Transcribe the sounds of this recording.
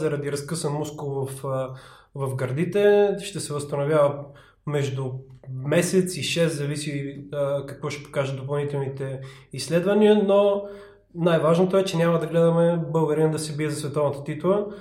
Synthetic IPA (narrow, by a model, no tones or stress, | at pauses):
zɐɾɐd̪iɾɐskɤsənmuskʊvɐf | vɐfɡɐɾd̪it̪ɛʃt̪ɛsɛvəst̪ɐnovʲjavə | mɛʒd̪ʊmɛsɛt̪siʃɛszɐvisi | kɐkvɔʃɛ̥po̥kaʒəd̪opɐlˠnit̪ɛlˠnit̪ɛisːlɛd̪vɐniəno | najvaʒnot̪oɛt͡ʃɛnʲamɐd̪ɐɡlɛd̪ɐmɛbɤlˠɡəɾind̪ɐsɛbiɛzɐsvɛt̪ɔvnət̪ə̥t̪it̪lˠə